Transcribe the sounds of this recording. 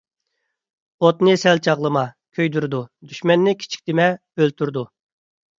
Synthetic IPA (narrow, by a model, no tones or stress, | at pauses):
ot̪nɨsɛlt͡ʃʰɑʁlˠəmɑ | kʲʰøjd̪yɾd̪ud̪yʃmɛnːɪkʲʰi̥t͡ʃʰi̥kʲt̪ɪmɛ | ølt̪ʰyɾd̪u